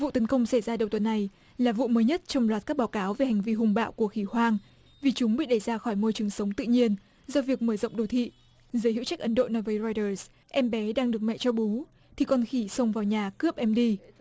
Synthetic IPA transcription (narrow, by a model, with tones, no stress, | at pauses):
vṵ˧˨t̪ə˨˦nkə˧wŋ͡msa˧˩jzaː˧ɗə˨˩wt̪wə˨˦nːa˨˩j | laː˨˩vṵ˧˨məː˨˦jɲə˦˥t̚t͡ɕɔ˧wŋ͡mlwaː˨˩t̚kaː˦˥k̚ɓaː˨˦wkaː˨˦wve˨˩ha˨˩jŋ̟vi˧ɦʊ˨˩ŋ͡mɓa̰ː˧˨wku˧˩əxi˧˩hwaː˧ŋ | vi˨˩t͡ɕʊ˨˦ŋ͡mɓḭ˧˨ɗə˧˩jzaː˧xɔ˧˩jmo˧jt͡ɕɨ˨˩əŋsə˨˦wŋ͡mt̪ɨ̰˧˨ɲi˧ən | zɔ˧vi˨˩ək̚məː˧˩zə̰˧˨ŋ͡mɗo˨˧˩t̪ʰḭ˧˨ | zəː˨˦jhḭ˧˥t͡ɕa˦˥k̚ʔə˨˦nɗo̰˧˨nɔ˨˦jvəː˨˦jzɔ˧jtəː˧˩s | ʔɛ˧mɓɛ˨˦ɗaː˧ŋɗɨ˨˩ək̚mɛ̰˧˨t͡ɕɔ˧ɓu˨˦ | t̪ʰi˨˩kɔ˧nxi˧˩sə˧wŋ͡mvaː˨˩wɲaː˨˩kɨ˦˥əp̚ʔɛ˧mɗi˧